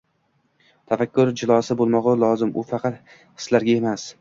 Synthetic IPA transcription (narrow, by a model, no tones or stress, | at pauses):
t̪ʰafakʲʰːʊɾd͡ʒɪlˠɒsɪbolˠmɒʁalˠɒzɪmʊfɑqʰɑt̪ | hɨ̥slaɾɡʲae̞mas